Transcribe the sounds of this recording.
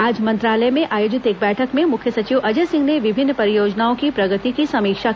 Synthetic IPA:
aːd͡ʒmɐ̃nt̪ɾaːləjmẽaːjoːd͡ʒɪt̪eːk̚bɛːʈʰəkmẽmʊkʰjəsɐt͡ʃiʋʔɐd͡ʒəsɪ̃ŋɡneʋɪbʱɪnːpɐɾɪjoːd͡ʒnaːõkipɾɐɡət̪ikisɐmiːkʃa

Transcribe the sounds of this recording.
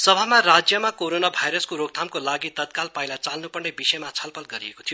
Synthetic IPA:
sʌbʱamaɾad͡zjʌmakoɾonabʱajɾʌskoɾoɡ̚t̪ʰamkolaɡit̪ʌt̪̚kalpajlat͡salnupʌrnebisʌjmat͡sʰʌlpʰʌlɡʌɾiekot̪ʰijo

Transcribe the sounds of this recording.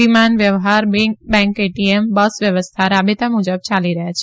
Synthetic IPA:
imaːnʋjəʋɦaɾbɛ̃ŋkeʈiembəsʋjəʋəst̪ʰaɾaːbet̪amud͡ʒəb̚t͡ʃaliɾəɦat͡ʃʰe

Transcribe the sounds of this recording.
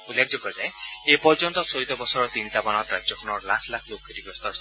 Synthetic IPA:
ulːekʰd͡ʒɔkɔzaeepɔɾd͡ʒɔnt̪ɔsoɾit̪ɔbɔsɔɾɔt̪int̪abañɔt̪ɾad͡ʒjɔkʰɔnɔɾlasʰlakʰlokʰːit̪ibɔst̪ɔɾs

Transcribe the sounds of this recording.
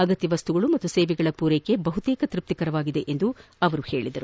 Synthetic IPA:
ɐɡɐt̪ːjɐʋɐst̪uɡɐɭumɐt̪ːuseːʋɛɡɐɭɐpuːɾeːkːe̞bɐɦut̪eːkɐt̪ɾip̚t̪ikɐɾɐʋaːɡid̪e̞ʔend̪u | ɐʋɐɾuhe̞ːɭid̪ɐɾu

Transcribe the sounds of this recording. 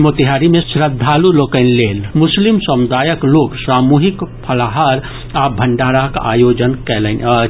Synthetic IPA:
mot̪iɦaːɾimẽsɾəd̪ʱːaːluloːkəɪnleːlmʊslimsəmʊd̪ʱaːjəkloːɡsɾaːmuːɦikpʰəlaɦaːɾ | abʱəɳɖaːɾaka̰ːjoːd͡ʒənkɛːlən

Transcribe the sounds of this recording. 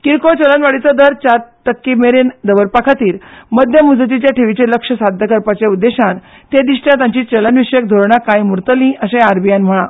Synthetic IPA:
kiɾkot͡ɕələnʋaɽit͡səd̪əɾt͡ɕaɾt̪əkːimeɾend̪əʋəɾpakʰat̪iːɾməd̪ʱjəmud͡zət̪it͡ɕjaʈʰeʋit͡ɕeləkʂəsad̪ʱjəkəɾpat͡ɕeud̪ːeɕaɾ | t̪ed̪iʂʈjãt̪ãɲt͡ɕiːt͡ɕələnʋiɕəjək̚d̪ʱoɾɳakajmuɾt̪əlĩʔəɕẽaɾbijanm̤əɭ̃a

